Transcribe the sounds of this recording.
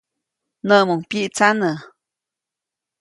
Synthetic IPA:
nəʔmuŋpiʔt͡sanə

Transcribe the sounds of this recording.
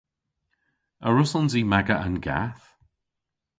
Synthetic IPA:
əɹʊsɔnzimaɡəʔənɡa̰θ

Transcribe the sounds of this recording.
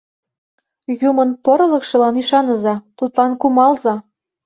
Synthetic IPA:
jumɤ̆npoɾɤ̆lɤ̆kʃɤ̆lɑniʃɑnɤ̆zɑt̪ut̪lɑnkumɑlzɑ

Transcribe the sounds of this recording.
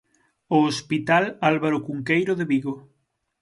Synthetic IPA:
oːspit̪alalβaɾokuŋkejɾoðeβiɣo

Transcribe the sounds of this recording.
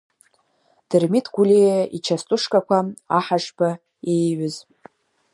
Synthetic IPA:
d̥ɨrmitʰɡʷulʲejait͡ʃʰastʼʊʂkʼakʷaaħaʂba | ejɥʊz

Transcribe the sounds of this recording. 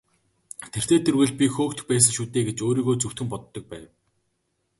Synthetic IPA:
t̪ʰer̥t̪ʰeːt̪ʰɵrɣɘ̆ɮpʲixoːkt̪̆xpæːs̬ə̆ŋʃuːt̪eːɡet͡ɕoːɾiːɣoːt͡suwt̪xɘ̆mpɔt̪ːɞ̆k̚pæ̰ːw

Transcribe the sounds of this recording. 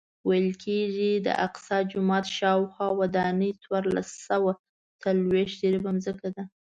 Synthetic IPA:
wajəlkʰeʒid̪ə̰ʔaqsɑd͡ʒʊmɑt̪ʃɑwxwɑwad̪ɑnəjt͡swɑɾla̰sawa | t͡salweʃd̪eɾibamzəkad̪a

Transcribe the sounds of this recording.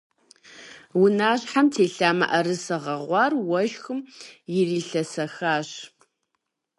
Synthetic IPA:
wʊnaːɕħamtʰeːɬaːmɐ̰ʔɐɾɨsɐʁɐʁʷɑːrwɐʒxɨmjɪriːɬɐsɐxaːɕ

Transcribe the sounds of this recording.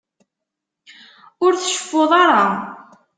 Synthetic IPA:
ʊɾθəʃə̥fːoðˤɑɾˤɑ

